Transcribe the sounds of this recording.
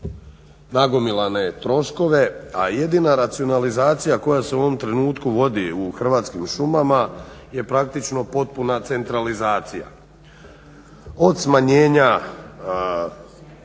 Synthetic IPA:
naɡo̞milane̞t̪ɾo̞ʃko̞ʋe̞aje̞d̪inaɾat̪sio̞nalizaːt̪sijako̞jase̞uo̞ʋo̞mt̪ɾe̞nuːt̪kuʋo̞d̪iuxr̩ʋaːt̪skimʃumamaje̞pɾak̚t̪it͡ʃno̞po̞t̪̚punat̪se̞nt̪ɾalizaːt̪sija̰ | o̞d̪smaɲe̞ːɲa

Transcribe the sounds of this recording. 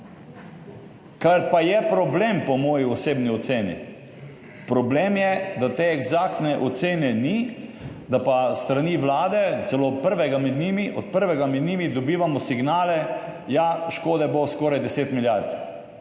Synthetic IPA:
kaɾpajɛpɾɔbleːmpɔmɔːjiɔseːbniɔt̪seːnḭ | pɾɔbleːmjɛd̪at̪eɛɡzak̚t̪nɛʔɔt̪seːnɛni | d̪apast̪ɾaniʋlaːd̪ɛt̪sɛlopəɾʋɛɡamɛd̪niːmiʔɔ̰t̪pəɾʋɛɡamɛd̪niːmid̪ɔbiːʋamɔsiɡnaːlɛjaʃkoːd̪ɛboskɔːɾajd̪ɛseːt̪miljaɾt̪

